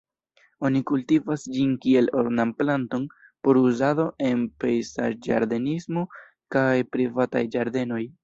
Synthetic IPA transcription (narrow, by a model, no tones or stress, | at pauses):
o̞nikultivasd͡ʒinkie̞lo̞ɾnamplanto̞n | po̞ɾuzado̞ʔe̞npejsa̰d͡ʒa̰ɾd̪e̞nismo̞ | kajpɾivata̰jd͡ʒaɾd̪e̞no̞j